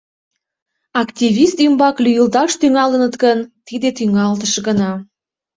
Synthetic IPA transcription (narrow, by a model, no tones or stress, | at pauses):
ɑkt̪ʲivist̪ymbɑklyjəlt̪ɑʃt̪yŋɑlənət̪kənt̪id̪et̪yŋɑlt̪əʃɡənɑ